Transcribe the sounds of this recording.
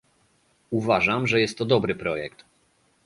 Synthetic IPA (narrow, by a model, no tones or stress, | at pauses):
uvaʐamʐɛjɛst̪ːɔd̪ɔbɾɘpɾɔjɛkt̪